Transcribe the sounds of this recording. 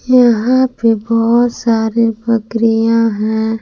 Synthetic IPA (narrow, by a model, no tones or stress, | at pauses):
jɐɦãpebɔːt̪saːɾepɾɐkɾijãɦɛ̃